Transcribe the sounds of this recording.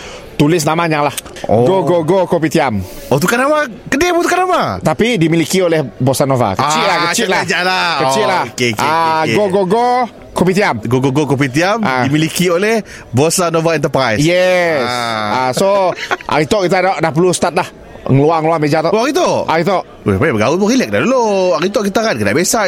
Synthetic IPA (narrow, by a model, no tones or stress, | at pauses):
t̪ulɪs̬namaɲaŋlah | oɡoɡoɡokop̬it̪iam | ot̪ukanamakədebut̪ukanamat̪apidimilikiolehbosanova̰kət͡ʃɪʔlahkkət͡ʃɪʔ̪lad͡ʒalakət͡ʃɪʔlahkekʔaɡoɡoɡo | kopit̪iamɡoɡoɡokop̬it̪̬iamadimilikioleh | bosanovaɛnt̪əpɾajsjɛsasoʔa̰ɾit̪oʔkit̪̬adaʔdahp̬əlust̪at̪̚lah | ŋəluaŋəluamed͡ʒat̪ooaɣit̪̬oʔaɾit̪oʔ | pabəɡaupurilɛk̚daduloaɾit̪oʔkit̪akankədaʔbesa